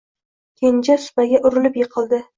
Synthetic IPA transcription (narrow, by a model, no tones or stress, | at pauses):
kʲʰend͡ʒasʊ̥paɡʲaʔʊɾɪlɪpjɨqʰɨlˠd̪ɪ